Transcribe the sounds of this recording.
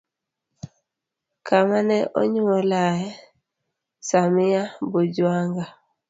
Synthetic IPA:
kʰamanɛʔɔ̰ɲuɔlajɛ | samɪjabod͡ʒwaŋɡa

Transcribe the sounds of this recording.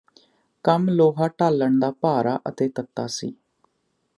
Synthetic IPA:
kəmloːɦaːʈaːləɳd̪aːpaːɾaːʔət̪eːt̪ət̪ːa̰ːsḭː

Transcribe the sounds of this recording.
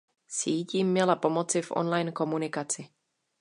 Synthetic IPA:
siːciːmːɛlapomot͡sɪvʔo̰nlajnkomunɪkat͡sɪ

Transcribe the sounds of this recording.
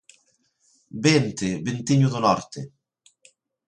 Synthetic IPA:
bent̪ɪbent̪iɲuðonɔɾt̪e

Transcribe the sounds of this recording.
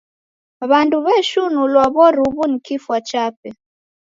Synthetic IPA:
βanduβɛʃunulwaβɔɾuβunikifwat͡ʃapɛ

